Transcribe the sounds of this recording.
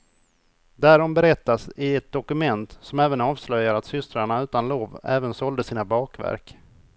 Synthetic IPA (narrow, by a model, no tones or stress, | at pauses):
d̪æɾɔmbɛɾɛt̪ːasɪɛt̪̚d̪ɔkɵmɛnt̪sɔmɛːvənɑːvslœjːaɾat̪sʏst̪ɾaɳaʉ̟ːt̪anloːvɛːvənsɔld̪əsiːnabɑːkvæ̰ɾk